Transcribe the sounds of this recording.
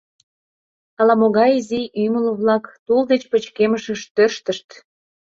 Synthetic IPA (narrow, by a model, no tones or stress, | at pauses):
ɑlɑmoɣɑjiziʔyməloβlɑkt̪uld̪et͡ɕpət͡ɕkeməʃəʃt̪ørʃt̪əʃt̪